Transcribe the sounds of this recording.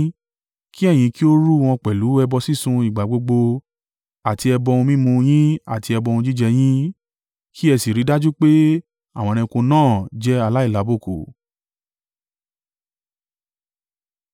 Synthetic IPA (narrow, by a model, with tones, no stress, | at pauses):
ki˦ɛ˦˨j̃ĩ˧ki˦o˦ɾu˦w̃ɔ̃˧k͡pɛ˨lu˨˦ɛ˧bɔ˧si˦˨sũ˧i˨ɡ͡ba˨ɡ͡bo˧ɡ͡bo˧ | a˨ti˧ɛ˧bɔ˧ũ˧mĩ˦mũ˧j̃ĩ˦a̰˦˨ti˧ɛ˧bɔ̃˧ũ˧d͡ʒi˦d͡ʒɛ˧j̃ĩ˦ | kʰi˦ɛ˧si˨ɾi˨˦da˦d͡ʒu˦k͡pe˦ | a˦˨w̃ɔ̃˧ɾ̃ĩ˧ko˧nãː˦˨d͡ʒɛ˦a˦˨la˨˦i˦˨la˨˦bo˦˨ko̰˨